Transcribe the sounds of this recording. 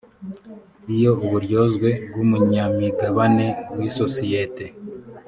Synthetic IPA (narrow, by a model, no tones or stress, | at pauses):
ijo̞uβuɾjo̞zɡwe̞b̚ɡumuɲamiɡaβane̞wisosijete̞